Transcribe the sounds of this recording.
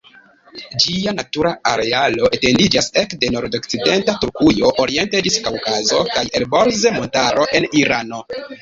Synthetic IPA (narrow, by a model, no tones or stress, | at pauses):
d͡ʒianatuɾaaɾe̞alo̞ʔete̞ndid͡ʒase̞kde̞no̞ɾdok̚t͡side̞ntatuɾkujo̞ʔoɾie̞nted͡ʒiskawkazo̞kajelbo̞ɾze̞mo̞ntaɾo̞ʔe̞niɾano̞